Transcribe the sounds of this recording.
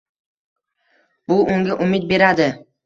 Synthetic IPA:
bʊʔʊŋɡʲaʔʊmɪt̪̚be̞ɾad̪ɪ

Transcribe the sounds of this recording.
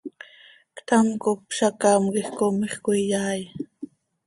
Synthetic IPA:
kt̪amkopʃakɑːmkixkomiχkuijaːj

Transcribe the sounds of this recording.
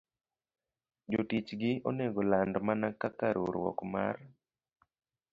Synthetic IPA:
d͡ʒotit͡ʃɡɪo̰neɡɔlandmanakakaɾʔoɾwɔ̰kma̰r

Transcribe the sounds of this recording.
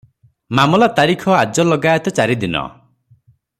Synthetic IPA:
mamɔlat̪aɾikʰɔad͡ʒɔlɔɡajɔt̪ɔt͡ʃaɾid̪inɔ̰

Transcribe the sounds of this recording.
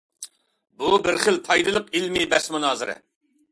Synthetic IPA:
bubɪɾχəlt̪ʰɑjd̪ɨlˠəqilmɪbɛsmunɑːzɨɾɨ̰

